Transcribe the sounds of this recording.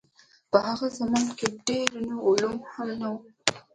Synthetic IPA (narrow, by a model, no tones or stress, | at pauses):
pəhaɣazamɑnkeɖeɾnəʊlumhamnawu